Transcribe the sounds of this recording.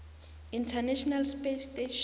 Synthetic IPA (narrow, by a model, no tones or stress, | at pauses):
intʰɛnɛʃɔnalspesteʃ